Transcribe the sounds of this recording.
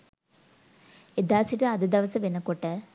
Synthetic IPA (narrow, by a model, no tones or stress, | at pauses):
ed̪aːsitɨɐd̪ɐd̪ɐʋɐsɐʋenːɐkːoʈːɨ